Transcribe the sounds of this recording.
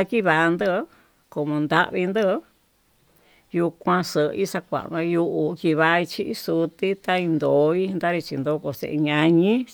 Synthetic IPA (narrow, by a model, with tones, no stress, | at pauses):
a˧ki˦βa˨˧nd̪ə˦˧˦ | ko˨mõ˧nd̪a̰˦ʔβi˧nd̪ə˦˧˦ | ju˧kʷã˧sə˨˧i˦sa˧kʷa̰˨ʔβã˧ju˧ʔu˧ki˧βa˧i˧t͡ʃi˧ʔi˦su˧t̪i˦t̪a˦˧i˧nd̪o˨˦i˦nd̪a˦ɾi˧t͡ʃḭ˧nd̪o˧˦ko˧˨sḛ˧ʔe˧ɲã˧ɲĩ˦